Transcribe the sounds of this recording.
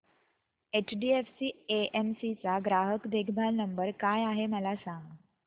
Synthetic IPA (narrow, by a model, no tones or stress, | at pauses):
et͡ɕɖiːefsiːeemsit͡saɡɾaɦəkd̪ekʰbʱalnəmbəɾkajaɦeməlasãŋɡ